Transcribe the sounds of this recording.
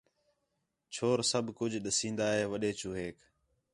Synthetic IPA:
t͡ʃʰoːɾsəbʱkʊd͡ʒʱɗəsĩːnd̪aːɦeːʋəɗeːt͡ʃuːɦeːk

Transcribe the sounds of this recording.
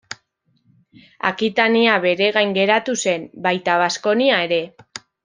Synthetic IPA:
a̰kit̪aniaβe̞ɾe̞ɣ̞ajŋɡe̞ɾat̪use̞mbajt̪aβ̞asko̞niae̞ɾe̞

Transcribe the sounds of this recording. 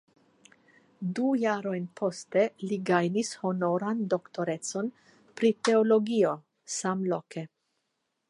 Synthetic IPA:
dujaɾo̞jnpʰo̞ste̞liɡajnisho̞no̞ɾando̞kto̞ɾe̞t͡so̞n | pɾite̞olo̞ɡio̞ | samloke̞

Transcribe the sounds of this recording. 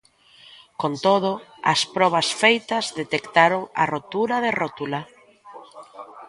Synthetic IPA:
kont̪oð̞ʊɐ̰spɾɔβ̞ɐsfejt̪ɐzðet̪ekt̪aɾoŋɐ̰rot̪uɾɐðerot̪ula

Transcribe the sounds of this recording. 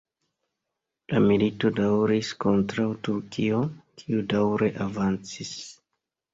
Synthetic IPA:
lamilito̞dawɾisko̞ntɾawtuɾkʰio̞kʰiudawɾe̞ʔavant͡sis

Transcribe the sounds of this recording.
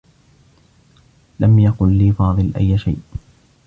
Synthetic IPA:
lamjaqʊlːiːfɑːðˤɨlʔa̰jːʃa̰jʔ

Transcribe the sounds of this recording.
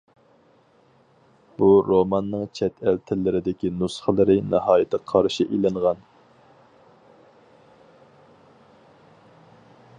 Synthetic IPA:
b̥uɾomɑnːɨŋt͡ʃʰɛt̪ʰɛlt̪ʰɪlːɪɾɪd̪ɪkʲinusχəlˠəɾɪnɑhɑːjɪt̪ʰːəqʰɑɾʃiʔilɨŋʁɑn

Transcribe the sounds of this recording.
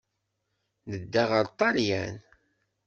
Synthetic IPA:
nəd̪ːaʁəɾt̪ˤɑljæ̰n

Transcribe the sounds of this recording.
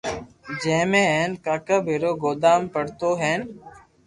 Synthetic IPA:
d͡ʒẽːmẽːɦẽːnkaːkəbʱiːɾoːɡoːd̪aːmpəɽt̪oːɦeːn

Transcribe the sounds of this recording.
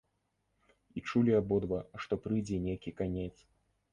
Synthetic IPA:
it͡ʂulʲiabɔd̪vɐʂt̪ɔpɾɨjd͡zʲɛnʲejkʲikanʲɛt̪s

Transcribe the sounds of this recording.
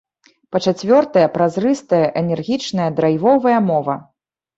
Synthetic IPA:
pɐt͡ʂat͡sʲvʲɔrt̪ɐjɐpɾazrɨst̪ɐjɐʔɛnʲɛrɣʲit͡ʂnɐjɐd̪ɾajvɔvɐjɐmɔvɐ

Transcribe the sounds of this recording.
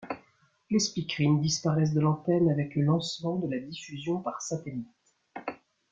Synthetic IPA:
lespikχind̪ispaʁɛs̬d̪əlɑ̃t̪ɛnavɛkləlɑ̃smɑ̃d̪əlad̪ifyzjɔ̃paʁsat̪elit̪

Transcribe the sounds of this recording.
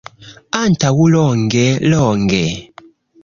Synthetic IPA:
antʰawulɔŋɡɛlɔːŋɡɛ

